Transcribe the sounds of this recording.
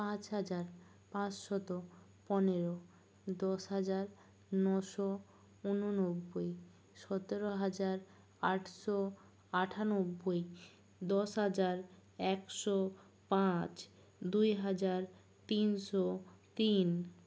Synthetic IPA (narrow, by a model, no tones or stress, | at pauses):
pãt͡ɕɦad͡ʑaɾ | pãt͡ɕʃɔt̪o | pɔneɾo | d̪ɔʃɦad͡ʑaɾ | nɔʃɔ | unonobːoj | ʃɔt̪eɾoɦad͡ʑaɾ | aʈʰʃɔ | aʈʰanobːoj | d̪ɔʃɦad͡ʑaɾɛkʃɔ | pãt͡ɕ | d̪ujɦad͡ʑaɾ | t̪inʃɔt̪in